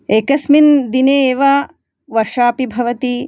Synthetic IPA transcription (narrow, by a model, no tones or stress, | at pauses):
eːkɐsmind̪ineːʋɐ | ʋɐɾʂaːpibʱɐʋɐt̪i